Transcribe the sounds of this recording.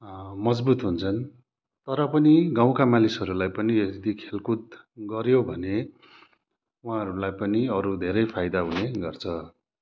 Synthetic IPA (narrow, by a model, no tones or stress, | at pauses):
mʌd͡zbut̪ɦunt͡sʰʌn | t̪ʌɾʌpʌniɡãw̃kamalisʌɾulajpʌnied̪ikʰelkut̪̚ | ɡʌɾjobʱʌne | uɦãɦʌɾulajpʌniʌɾud̪ʱeɾʌjpʰajd̪aɦuneɡʌrt͡sʰʌ